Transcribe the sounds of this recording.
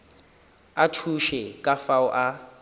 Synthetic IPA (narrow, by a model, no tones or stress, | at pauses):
atʰuʃɛkʼafaʊʔa